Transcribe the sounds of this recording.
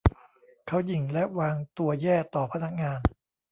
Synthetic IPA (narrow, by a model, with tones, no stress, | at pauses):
kʰa˦˥wji˨˩ŋlɛ˦˥ʔwaː˧ŋt̪u˧ɐjɛː˥˩t̪ɔː˨˩pʰa˧na˦˥k̚ŋaː˧n